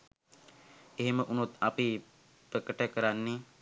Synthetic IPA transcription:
eɦeməʔunut̪api | pɾəkəʈəkəɾanːe

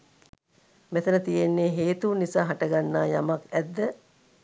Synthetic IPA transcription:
met̪ənət̪ijenːeːɦeːt̪unisaːɦaʈəɡanːaːjamakæd̪ːə

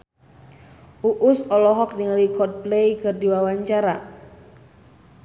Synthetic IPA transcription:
ʔuʔʊsɔlɔɦɔk̚niŋalikɔt̪̚plejkɨrdiwawaɲt͡ʃaɾa

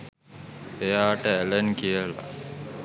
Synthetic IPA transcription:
ejaːʈəelenkijəla̰

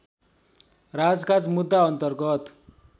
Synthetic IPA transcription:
rad͡zkad͡zmud̪ːaʌnt̪ʌrɡʌt̪

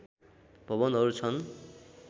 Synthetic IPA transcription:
bʱʌβʌnɦʌɾut͡sʰʌn

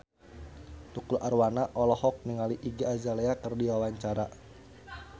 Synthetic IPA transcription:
t̪ukulʔarwanaʔɔlɔhɔk̚niŋaliʔiɡiazaleakɨrdiwawaɲt͡ʃaɾa

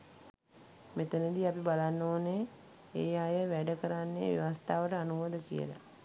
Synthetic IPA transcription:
met̪ənəd̪iapibalanːoːne | eːjajəʋæɖəkəɾanːḛːʋḛʋast̪aːʋəʈəanuʋod̪əkḭjə̰lə̰

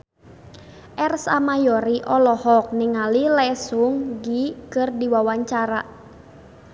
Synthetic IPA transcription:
ʔɛrsa̰majɔɾiʔɔlɔhɔk̚niŋalilɛsʊŋɡikɨrdiwawaɲt͡ʃaɾa

